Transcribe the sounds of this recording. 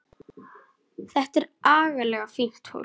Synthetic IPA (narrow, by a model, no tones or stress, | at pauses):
θɛht̪ɛɾaːɣalɛɣafin̥t̪ho̰w